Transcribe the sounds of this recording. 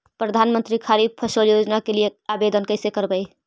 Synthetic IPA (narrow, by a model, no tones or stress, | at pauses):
pɾəd̪ʱaːnmənt̪ɾikʰaɾib̚pʰəʃəljod͡ʒnakelieabed̪ənkəɪsekəɾbəi